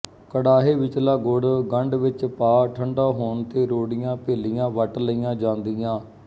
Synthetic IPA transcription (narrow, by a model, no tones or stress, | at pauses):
kəɽaːɦeːʋɪt͡ʃlaːɡʊɽɡəɳɖʋɪt͡ʃpaːʈʰəɳɖaːɦoːɳt̪eːɾoːɽɪjãːpeːlɪjãːʋəʈləijãːd͡ʒãːnd̪ɪjãː